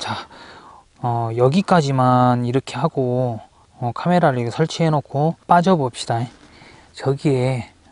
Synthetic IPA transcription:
t͡ɕa | ʌjʌɡik͈ad͡ʑimaniɾʌkʰe̞ɦaɡo | ʌkʰame̞ɾaɾiɡsʰʌɭt͡ɕʰiɦenokʰop͈ad͡ʑʌbop̚ɕ͈id̥ae | t͡ɕʌɡie̞

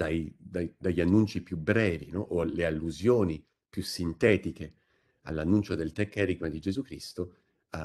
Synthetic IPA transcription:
d̪̥ajd̪ajd̪aʎːanːunt͡ʃipjubɾɛːvinɔʔolealːuzjoːni | pjusːint̪ɛːt̪ike | a̰lːanːunt͡ʃod̪elt̪ɛkːeɾiɡmad̪id͡ʒezukɾist̪o | a

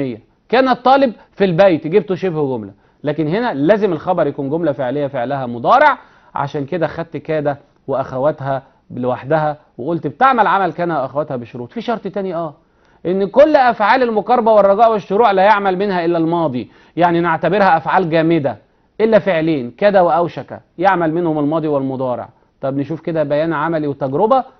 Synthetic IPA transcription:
ejːæ | kæːnæt̪ˤːɑːleb̚ | filbæjt̪ɡibt̪oʃebhɡomlæ | læːkenɦenælæːzemelxɑbɑɾˤjækuːnɡomlæfeʕlejːæfeʕlæhæmod̪ˤɑːɾeʕ | ʕa̰ʃæːnked̪æxæd̪̚t̪kæːd̪æ | weʔæxæwæt̪ɦæ | lewaħd̪æɦæ | weʔolt̪bt̪eʕmælʕamælkæːnæwʔæxæwæt̪hæbeʃoɾuːt̪fiʃɑɾˤt̪ˤt̪æniʔæː | ʔenːkolːʔæfʕaːlelmokɑɾˤɑbæwerˤːɑɡɑːʔweʃːoɾuːʕlæjeʕmælmenhæʔelːælmɑːd̪ˤi | jaʕnineʕt̪æbeɾhæʔæfʕaːlɡæːmed̪æ | ʔelːæfeʕleːnkæd̪æweʔæwʃækæ̰jeʕmælmenhomelmɑːd̪ˤiwelmod̪ˤɑːɾḛʕ | t̪ˤɑbneʃuːfked̪æbæjæːnʕamæliwet̪æɡɾobæ

